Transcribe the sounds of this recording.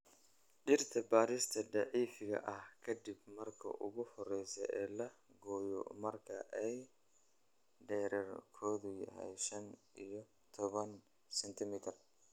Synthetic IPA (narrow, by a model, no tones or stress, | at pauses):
ɖɪrt̪ʰɐbaːɾɪst̪ʰɐɖɑʕiːfɪɣɐ̰ʔɐhkʰɐd̪ɪbmɐrkʰɐ̰ʔʊɣʊhɔrɛjsɛ̰ʔɛːlɐɡɔːjɔ̰mɐrkʰɐʔɛj | ɖɛːɾɛrkʰɔːðʊjɐ̰ɦɛ̰jʃɐnʔijɔ | t̪ʰɔβɐn | sɛnt̪ʰɪmit̪ʰɐr